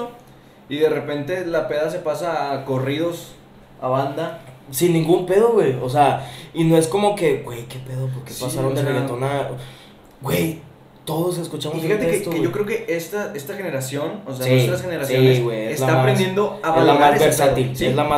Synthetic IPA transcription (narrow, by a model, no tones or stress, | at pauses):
o | iðe̞repe̞nt̪e̞lapeðas̬e̞pasaːko̞riðo̞s | a̰βand̪asinːĩŋɡumpe̞ð̞o̞ɣwe̞jos̬eainoesko̞mo̞ke̞ɣwe̞jke̞pe̞ðopoɾke̞pasaɾond̪ereɣet̪ona | ɡwe̞j | t̪o̞ð̞os̬eskut͡ʃamosiat̪eet̪oeʝokɾeokeest̪aest̪axeneɾasjo̞noseset̪ɾasxeneɾassoiɣwejeelaaɾend̪jẽnd̪oaezlamazeɾsat̪ilsezlama